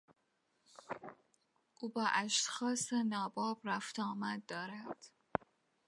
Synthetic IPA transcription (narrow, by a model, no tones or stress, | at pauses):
ʔuːbɒːʔæʃt̪xɒːsenɒːbɒːbɾæft̪ʰɒːmæd̪̚ːɒːɾæd̪̥